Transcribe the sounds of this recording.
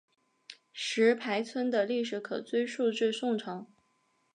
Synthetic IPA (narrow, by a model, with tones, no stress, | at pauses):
ʂɻ̩˧˥pʰa˧˥ɪt͡sʰwə˥nd̪ə˨li˥˩ʂ̬ɻ̩˧˥kʰɤ̰˨˩t͡swe˥˧ɪʂu˥˧ʈ͡ʂɻ̩˥˧sʊ˥˩ŋʈ͡ʂʰɑ˧˥ŋ